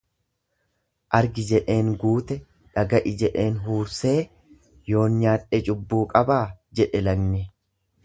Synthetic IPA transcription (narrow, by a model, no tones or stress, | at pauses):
ʔɐɾɡɪd͡ʒɛᶑe̞ːŋɡuːt̪ɛ | ᶑɐɡɐʔɪd͡ʒɛᶑe̞ːnɦuːɾse̞ː | jo̞ːnɲaːᶑɛt͡ʃʼʊbːuːkʼɐbaːd͡ʒɛᶑɛlɐɡnɪ